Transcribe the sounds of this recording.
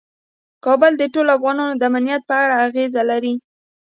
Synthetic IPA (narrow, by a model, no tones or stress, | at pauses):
kɑbəld̪əʈolafɣɑnɑnod̪əamanijat̪̚pəaɽaːɣezalaɾi